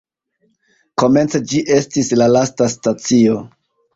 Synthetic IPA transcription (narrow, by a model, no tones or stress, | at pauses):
ko̞me̞nt͡sed͡ʒiʔe̞stislalastastat͡sio̞